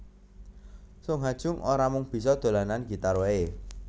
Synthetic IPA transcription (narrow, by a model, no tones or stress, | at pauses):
sʊŋɦad̥ʒ̥ʊ̤ŋʔoɾamʊŋb̥i̤sɔd̪̥o̤lananɡ̥i̤t̪aɾwee